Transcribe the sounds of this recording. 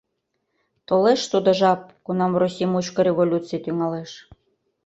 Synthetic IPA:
t̪oleʃt̪ud̪ŏʒɑp̚kunɑmrosʲimut͡ɕkəɾʲeβolʲut͡sɨjet̪yŋɑleʃ

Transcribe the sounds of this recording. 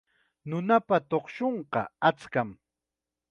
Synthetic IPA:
nʊnapat̪oχʃoɴqɑ̰at͡skam

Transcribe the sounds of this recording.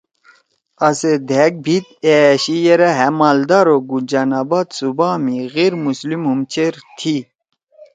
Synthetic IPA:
ɐsed̪ʱek̚bʱit̪eɕijeɾaɦemald̪aɾoɡud͡ʑanabad̪subaːmiɣeɾmuslimɦumt͡ɕʰeɾt̪ʰi

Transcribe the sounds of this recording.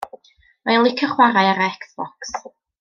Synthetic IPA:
majlˠɪkʰəχwaɾajaɾəɛksb̥ɔks

